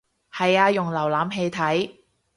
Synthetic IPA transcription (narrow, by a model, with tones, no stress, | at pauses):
hɐ˨jaː˧jʊ˨˩ŋlɐ˨˩wlaː˨˥mɦe˧jt̪ʰɐ˨˥j